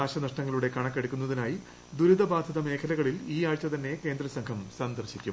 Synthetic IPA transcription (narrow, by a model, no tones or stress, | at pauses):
aːɕɐnɐʂʈɐŋːɐɭuɽe̞kɐɳɐkːeɽukʲːunːɐðinaːji | d̪uɾud̪ɐbaːd̪ʱɐðɐme̞ːkʰɐlɐɣɐɭiliːaːɻt͡ɕːɐt̪ɐnːe̞ke̞ːnd̪ɾɐsɐŋkʰɐmsɐnd̪ɐrɕikʲːum